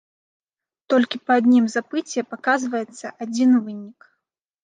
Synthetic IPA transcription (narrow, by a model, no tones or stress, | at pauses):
t̪ɔlʲkʲipɐːd̪ʲnʲimzapɨt͡sʲɛpakazvɐjɛt̪sːɐʔad͡zʲinvɨnʲik